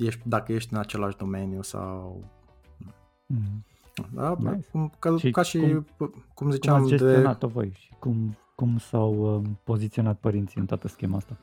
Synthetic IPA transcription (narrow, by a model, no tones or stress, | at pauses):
jeʃt̪ʲd̪akəje̞ʃt̪ʲɨnat͡ʃe̞laʃd̪o̞me̞njusa̰w | d̪a̰a̰kumkəikaʃi | kumzit͡ʃamd͡ʒesd̪teioat̪ovo̰jʃi̥kum | kumsawəpo̞zit̪sio̞nat̪̚pəɾint̪siɨnt̪oat̪əskʲe̞maast̪a